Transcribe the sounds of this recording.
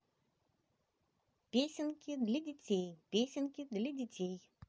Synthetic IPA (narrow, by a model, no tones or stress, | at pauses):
pʲesʲɪnkʲɪd̪lʲadʲɪt͡sʲejpʲesʲɪnkʲɪd̪lʲadʲɪtʲej